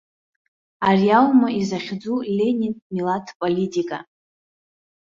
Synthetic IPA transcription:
arijawmaizaχʲd͡zulʲenʲinmilatʰpʼolitʼikʼa

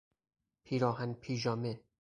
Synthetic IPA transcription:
pʰiːɾɒːɦænpʰiːʒɒːme

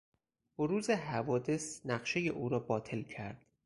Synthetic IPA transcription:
boɾuːzeɦævɒːd̪e̞snæɢʃe̞jeʔuːɾɒːbɒːt̪ʰe̞lcʰæɾd̪̥

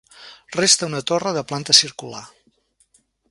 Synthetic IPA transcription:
rest̪əunət̪orəðəplant̪əsiɾkula̰

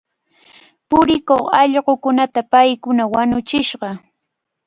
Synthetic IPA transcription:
pʊɾɪkoχɑʎɢokʊnat̪apajkʊnawanʊt͡ʃɪʃɢɑ

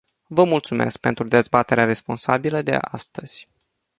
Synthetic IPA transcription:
vəmult̪sume̞̰sk̚pe̞nt̪ɾud̪e̞zbat̪e̞ɾeaɾe̞spo̞nsabiləd̪e̞̰ʔa̰st̪əz̥ʲ

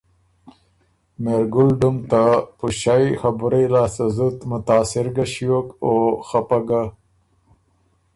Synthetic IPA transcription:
meɾɡʊlɖumt̪apuʃajxabɾelɑːsazut̪mʊt̪ɑːsɪɾɡaɕiwokoxapaɡa

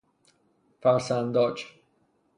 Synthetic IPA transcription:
fasãnd̪ɔt͡ʃ

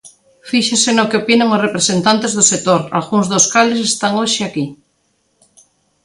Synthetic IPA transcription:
fiʃesenokeopineŋorepɾesent̪ant̪ezðoset̪oɾa̰lɣuŋzðoskales̬est̪aŋoʃeaki

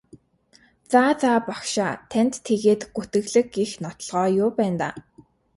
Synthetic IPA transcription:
t͡saːt͡saːpakʃaːt̪ʰæn̥t̪ʰːeɣeːt̪ɡut̪ɘ̆ɣɮɘ̆kixnɔt̪ɞ̆ɮʁɔːjʊːpæːnt̪a̰ː

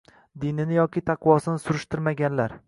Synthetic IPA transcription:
d̪inɪnɪjɒkʲɪt̪ʰɑqʰvɒsɪnɪsʊɾʊʃt̪ɪɾmaɡʲanlaɾ

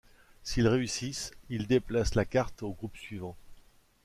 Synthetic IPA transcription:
silʁeysisild̪eplaslakaʁt̪oɡʁupsɥivɑ̃

